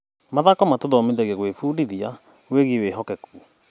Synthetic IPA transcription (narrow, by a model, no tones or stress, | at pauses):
maðakɔmatoðɔmedɛɣeɣwefuːdiðia | weɣiweɦɔkɛku